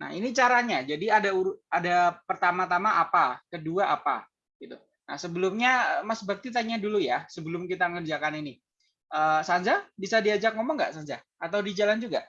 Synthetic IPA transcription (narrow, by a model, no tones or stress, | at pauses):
na̰hinit͡ʃaɾaɲad͡ʒadiadauɾadapərt̪amat̪amaʔapakəduaʔapa̰ | ɡit̪ṵ | na̰hsəbəlʊmɲaəmasbak̚t̪it̪aɲadulujasəbəlʊmkit̪akənd͡ʒiakanini | ʔəːsaɲd͡ʒabisadiad͡ʒak̚ŋɔmɔŋɡa̰ʔsaɲd͡ʒa | at̪awdid͡ʒaland͡ʒuɡaʔ